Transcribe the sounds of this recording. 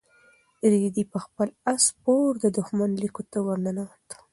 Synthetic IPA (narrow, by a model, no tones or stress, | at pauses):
ɾd̪ipəxpəlaspoɾd̪əd̪ʊxmanlikot̪awaɾnanat̪ḁ